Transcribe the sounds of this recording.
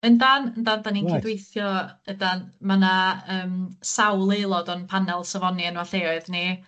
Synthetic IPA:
əndanəndandanikʰɪdwejθjɔədanmanaəːmsawlˠelˠɔdɔnpʰanɛlˠsəvɔniənwaɬeːɔɨðni

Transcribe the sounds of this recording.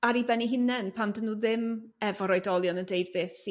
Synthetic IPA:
aɾibɛniɦɪnɛnpʰandənːuːðɪm | ɛvɔɾɔjdɔlˠjɔnəndejdbeːθsi

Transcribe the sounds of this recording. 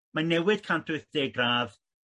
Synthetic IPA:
manɛwɨd̥kʰantʰʊɨθd̥eɡraːð

